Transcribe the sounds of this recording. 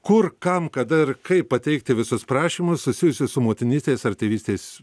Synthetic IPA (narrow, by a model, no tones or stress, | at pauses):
kʊrkɐmkɐd̪ɐɪrkɐɪppɐt̪ʲɛɪk̚t̪ʲɪʋʲɪsʊspɾɑːʃʲiːmʊssʊsʲɪjʊsʲʊssʊmoːt̪ʲɪnʲiːsʲt̪ʲeːsɐrt̪ʲiʋʲiːsʲt̪ʲeːs